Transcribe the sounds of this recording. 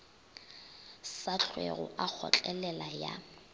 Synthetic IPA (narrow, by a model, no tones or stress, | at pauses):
saɬʰwḛɣʊ̰ʔak͡xʰɔ̰t͡ɬʼɛlɛlaja̰